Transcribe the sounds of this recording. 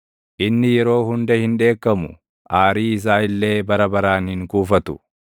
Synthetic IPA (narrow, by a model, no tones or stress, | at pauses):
ʔɪnːɪjɛɾo̞ːhʊnd̪ɐhɪnᶑe̞ːkːɐmʊ | ʔaːɾiːɪs̬aːɪlːe̞ːbɐɾɐbɐɾaːnhɪŋkuːfɐt̪ʊ̥